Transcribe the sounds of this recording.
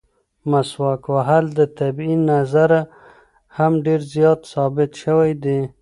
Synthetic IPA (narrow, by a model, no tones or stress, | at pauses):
maswakwaɦald̪ət̪abinazaɾa | hamɖeɾzjɑt̪sɑbɪt̪ʃəwajd̪e